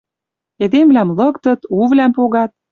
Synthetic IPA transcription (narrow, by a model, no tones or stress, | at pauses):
ed̪emlæmlɤ̆kt̪ɤ̆t̪uβlæmpoɣɑt̪̚